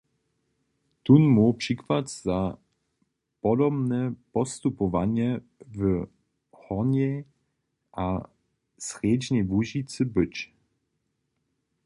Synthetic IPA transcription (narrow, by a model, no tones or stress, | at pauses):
t̪unmupʂikvat̪z̥a | pɔdɔbnɛpɔst̪upɔvaɲɛ | və | hɔɲɛ | ʔa | srjed͡ʒɲɛvuʒit͡sɨbət͡ɕ